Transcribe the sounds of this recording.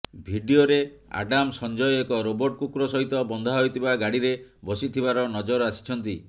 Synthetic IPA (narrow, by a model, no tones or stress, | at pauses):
bʱiɖioɾea̰ɖamsɔnd͡ʒɔjɔekɔɾobɔɾʈ̚kukɾɔsɔɦit̪ɔbɔnd̪ʱaɦɔjt̪ʰibaɡaɽiɾebɔsit̪ʰibaɾɔnɔd͡ʒɔɾasi̥t͡ʃʰɔnt̪i